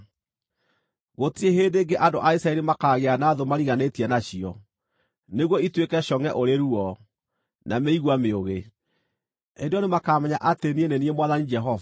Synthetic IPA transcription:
ɣotieɦedeːŋɡeʔandoʔaisaɛɾimakaːɣeanaːðomaɾiɣanetiɛnaɕiɔ | neɣwɔitwekɛɕɔŋɛʔoɾeɾuɔ | nameiɣwameoɣe | endeɔnemakamɛɲaʔatenieneniemwaðanid͡ʒɛɦɔva

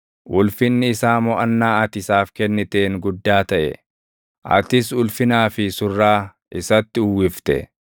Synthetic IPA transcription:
ʔʊlfɪnːɪɪsaːmɔʔɐnːaːɐt̪ɪsaːfkɛnːɪt̪eːŋɡʊd̪ːaːt̪ɐʔɛ̰ | ʔɐ̰t̪ɪsʊlfɪnaːfɪsʊrːaː | ʔɪsɐt̪ːɪʊwːɪft̪ɛ̰

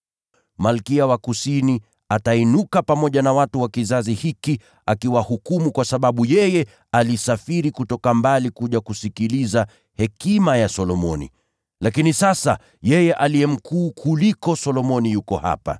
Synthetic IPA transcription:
malkiawakusini | atainukapamɔʄanawatuwakizazihiki | akiwahukumukwasaɓaɓujɛjɛ | alisafiɾikutɔkambalikuʄakusikiliza | hɛkimajasɔlɔmɔnḭ | lakinisasa̰ | jɛjɛʔalijɛm̩kuːkʰulikɔsɔlɔmɔnijukɔha̰pa̰

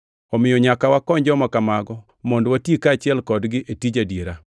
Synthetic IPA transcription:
ɔmɪjɔɲakawakɔɲd͡ʒɔmakamaɡɔ | mɔndwatikaːt͡ʃɪɛlkɔdɡɪʔetid͡ʒadjeɾa

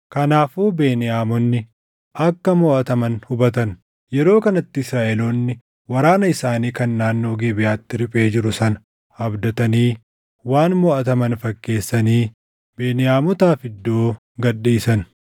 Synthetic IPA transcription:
kɐnaːfuːbe̞ːnɪjaːmɔnːɪ | ʔɐkːɐmɔːʔɐt̪ɐmɐnhʊbɐt̪̬ɐn | jɛɾo̞ːkɐnɐt̪ːɪɪsɾaːʔɛloːnːɪ | wɐɾaːnɐɪsaːniːkɐnːaːnːo̞ːɡeːbɪjaːt̪ːɪɾɪpʼe̞ːd͡ʒɪɾʊsɐnɐ̥ | ɐbd̪ɐt̪ɐniː | waːnmɔːʔɐt̪ɐmɐnfɐkːe̞ːsːɐniː | be̞ːnɪjaːmɔt̪aːfɪd̪ːoː | ɡɐᶑiːsɐn

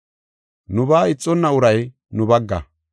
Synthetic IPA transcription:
nʊbaːɪt͡sʼːɔnːɐʊɾɐj | nʊbɐɡːɐ̰

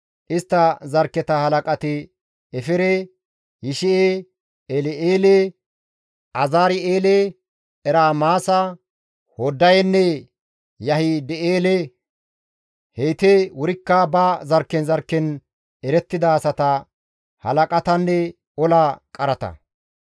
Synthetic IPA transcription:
ʔɪst̪ːɐzɐɾkːɛt̪ɐhɐlɐkʼɐt̪ɪ | ɛfɪɾɛ | jɪʃɪe | elɛeːle | ʔɐzaːɾɪeːle | ɛɾaːmaːsɐ | hɔd̪ːɐjɛnːɛ | jɐhɪd̪ɛeːlɛ | hejt̪ɛwʊɾɪkːabazɐɾkːɛnzɐɾkːɛn | ɛɾɛt̪ːɪd̪ɐːsɐt̪ɐ | hɐlɐkʼɐt̪ɐnːɛ | ɔlakʼɐɾɐt̪ɐ̰

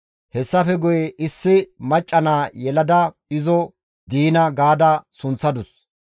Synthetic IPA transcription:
hɛsːɐfɛɡʊjɛʔɪsːɪmɐt͡ʃʼːɐnaːjɛlɐd̪ɐ | ɪzɔ | d̪iːnɐɡaːd̪ɐsʊnt͡sːɐd̪ʊs

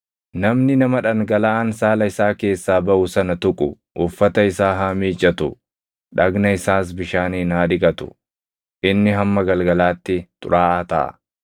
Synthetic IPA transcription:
nɐmnɪnɐmɐᶑɐŋɡɐlaːnsaːlɐɪsaːke̞ːsːaːbɐʔʊsɐnɐt̪ʊkʼʊ̰ | ʔʊfːɐt̪ɐɪsaːɦamiːt͡ʃʼːɐt̪ʊ | ᶑɐɡnɐɪsaːs̬bɪʃaːniːnaːᶑɪkʼɐt̪ʊ̥̰ | ʔɪnːɪɦɐmːɐɡɐlɡɐlaːt̪ːɪt̪ʼʊ̰ɾʔaːʔaːt̪ɐʔɐ̰

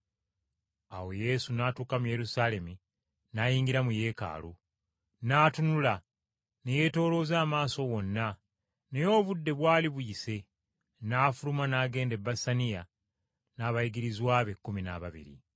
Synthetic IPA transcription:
awo̞je̞sunaːtuːkamuje̞ɾusaːle̞mi | najiːŋɡiɾamuje̞ːka̰ːlu | naːtunula | ne̞je̞to̞ːlo̞ːzaːmaːso̞ɣo̞nːa | ne̞jo̞ːβudːe̞βwaːliβujise̞ | naːfulumanaːɡe̞ːnde̞bːasanija | naːβajiɡiɾizwaːβe̞kːumina̰βaβḭɾḭ

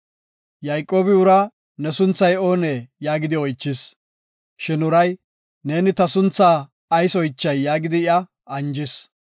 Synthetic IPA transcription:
jɐjkʼːo̞ːbɪʊɾɐ | nɛsʊnt͡sːɐjo̞ːneːjaːɡɪd̪ɪɔjt͡ʃːɪs | ʃɪnʊɾɐj | ne̞ːnɪt̪ɐsʊnt͡sːaː | ɐjsɔjt͡ʃːɐjːaːɡɪd̪ɪɪɐ | ɐnd͡ʒɪs

